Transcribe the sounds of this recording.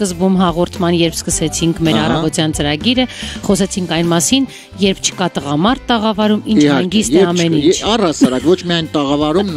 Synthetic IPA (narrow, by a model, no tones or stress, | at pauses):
skəzbumɦɑʁɔɾt̪ʰmɑnjɛɾpʰskəsɛt͡sʰiŋkʰmɛɾɑrɑvɔt̪jɑnt͡səɾɑɡiɾəχɔsɛt͡sʰiŋkʰɑjnmɑsin | jɛɾpʰt͡ʃʰə̥kɑt̪əʁɑmɑɾt̪ːəʁɑvɑɾumint͡ʃɛŋɡist̪ɛɑmɛnint͡ʃʰɑrɑsɑɾɑkvɔt͡ʃʰmiɑjnt̪əʁɑvɑɾum